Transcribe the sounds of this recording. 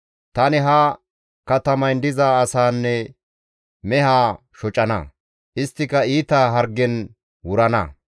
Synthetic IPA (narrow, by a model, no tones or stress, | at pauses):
t̪ɐnɪɦɐ | kɐt̪ɐmɐjnd̪ɪzaːsaːnːɛ | mɛɦaː | ʃɔt͡ʃʼɐnɐ̰ | ʔɪst̪ːɪkɐiːt̪aːɦɐɾɡːɛn | wʊɾɐnɐ̰